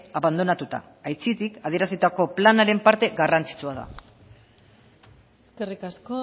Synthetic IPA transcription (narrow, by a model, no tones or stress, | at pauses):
aβand̪o̞nat̪ut̪a̰ːjt͡sit̪ikaðie̞ɾasit̪ako̞planaɾe̞mpaɾt̪e̞ɣarant͡si̥t͡suaða̰ | eskerikasko